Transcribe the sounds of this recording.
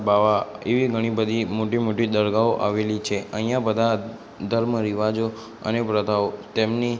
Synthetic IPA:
baʋaeʋiɡʱəɽ̃ibəd̪ʱimoʈimoʈid̪əɾɡaoʔaʋelit͡ʃʰeʔəɦĩjãbəd̪ʱa | d̪ʱəɾməɾiʋad͡ʒo | ə̰nepɾəd̪ʱaot̪emni

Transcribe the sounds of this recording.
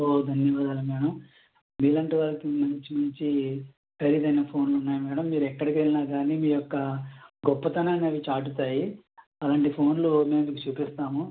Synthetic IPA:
oːd̪ʱɐnjɐʋaːd̪aːlumɛːɽɐm | miːlɐnʈiʋaːlɐkimɐɲt͡ʃimɐɲt͡ʃi | kɐɾid̪ɐjnɐpʰo̞ːnlunːaːjimɛːɽɐmːiːɾuɛkːɐɽikelinaːɡaːniːmiːjɔkːɐɡɔpːɐt̪ɐnaːneʋit͡ʃaːʈ̬ut̪aːji | ɐlaːɳʈipʰo̞ːnlume̞ːmend̪ikut͡ʃuːpist̪aːmu

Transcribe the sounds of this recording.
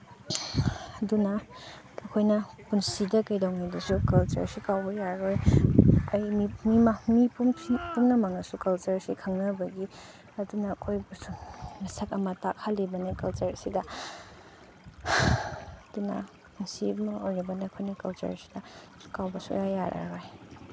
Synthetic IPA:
dunɐː | kʰojnɐpunsidɐkɐjdawŋijdɐsukɐlt͡ʃɐ̰ɾsikawbɐjaɾoj | ɐjmimimamipupumnɐmɐŋɐsukɐlt͡ʃɐɾsikʰɐŋnɐbɐɡi | ɐdunɐːkʰojbɐsumɐsɐkɐmɐtak̚halːibɐnekɐlt͡ʃɐɾsidɐ | dunɐ̰ | punsimɐojɾɐbɐnaɐkʰojnɐkɐlt͡ʃɐ̰ɾsi̥dɐ | kawbɐsṵjajaɾʔɐ̰ɾoj

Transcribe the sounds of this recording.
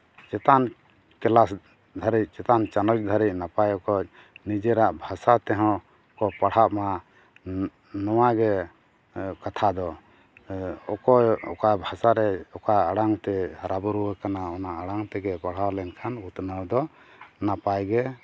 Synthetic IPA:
t͡ʃɛt̪an | kɛlas | d̪ʱaɾic̚ˀt͡ʃɛt̪ant͡ʃanɔt͡ʃd̪ʱaɾit̚napajɔkɔj̚ | nid͡ʒɛɾaʔbʱasat̪ɛɦɔ̃ | kɔpaɽ̤aʔma | nɔw̃aɡɛ | kat̪ʰad̪ɔ | ɔkɔɔkabʱasaɾɛɔkaaɽaŋt̪ɛɾabuɾuwəkanaɔnaʔaɽaŋt̪ɛɡɛpaɽ̤awlɛnkʰanut̪nəwd̪ɔ | napajɡɛ

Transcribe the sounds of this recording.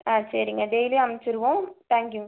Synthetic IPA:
aːsɐɾɪŋɡɐɖejliɐmɛt͡ʃːɪɾɯʋõt̪ãːŋkju

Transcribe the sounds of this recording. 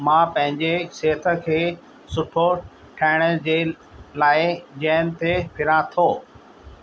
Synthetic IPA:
mãːpɐ̃ɦɪ̃ɲd͡ʑeseːt̪ʰə̆kʰeː | sʊʈʰo | ʈʰaːɪɽ̃əd͡ʑe | laːɪd͡ʑɛːnɪ̆t̪epʰɪɾãt̪ʰoː

